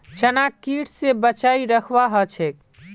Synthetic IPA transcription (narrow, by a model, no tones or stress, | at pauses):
t͡ʃənakiʈʰsebət͡ʃaiɾəkʰʋaɦət͡ʃʰek̚